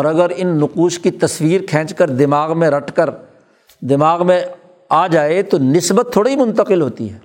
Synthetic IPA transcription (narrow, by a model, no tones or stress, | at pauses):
ɔːɾɐɡəɾɪnːʊquːʃkit̪ɐswiːɾkʰɛ̃ːt͡ʃkəɾd̪ɪmaːɣmẽɾɐʈʰkəɾ | d̪ɪmaːɣmẽ | aːd͡ʒaːet̪onɪsbət̪ʰːoːɽaɦimʊ̃nt̪əqɪlɦoːt̪ḭɦɛː